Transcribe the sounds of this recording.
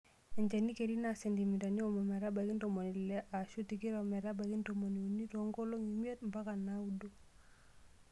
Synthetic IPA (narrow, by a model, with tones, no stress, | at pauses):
ɛ˨ɲt͡ʃɛ˨ni˦ke˨ɾi˦na˨sɛ˨ndi˨mi˨ta˨ni˦ɔ˨mɔ˨mɛ˨ɾa˦ba˨ki˦nto˨mo˨ni˨lɛ˦ʔa˨ʃu˦tiki˦ɾa˨mɛ˨ɾa˦ba˨ki˦nto˨mo˨ni˨o˨ni˦tɔ˨˦ŋɡo˦lo˦ŋi˨mi˦e˦tm˨ba˦ka˨na˦udo˦